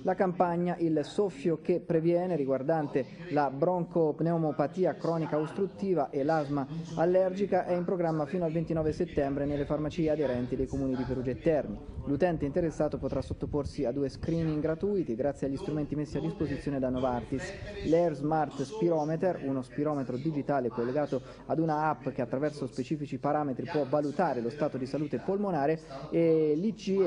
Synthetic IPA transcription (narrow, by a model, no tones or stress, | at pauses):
lakampaɲːaʔilsɔfːjokepːɾevjɛːneɾiɡward̪ant̪e | labɾɔŋkoneomopat̪iːakɾɔːnikaust̪ɾut̪ːiːvaʔelːazmaalːɛrd͡ʒikaʔɛimpɾoɡɾamːafiːnoalvent̪inɔːveset̪ːɛmbɾenelːefarmat͡ʃiːead̪eɾɛnt̪id̪ejkomuːnid̪ifeɾud͡ʒet̪ːɛrnilut̪ɛnt̪eint̪eɾesːaːt̪opot̪ɾasot̪ːoporsiad̪ːuːeskɾiːniŋɡɾat̪uːjt̪iɡɾat̪sjeaʎːist̪ɾument̪imesːiad̪ːispozit̪sjoːned̪anːovart̪islɛrzmart̪spiɾɔːmet̪erunospiɾɔːmet̪ɾod̪id͡ʒit̪aːlekolːeɡaːt̪o | ad̪unaapːk̟eat̪ːɾavɛrsospet͡ʃiːfit͡ʃipaɾaːmet̪ɾipwɔvalut̪aːɾelost̪aːt̪od̪isaluːt̪epolmonaːɾeelit͡ʃi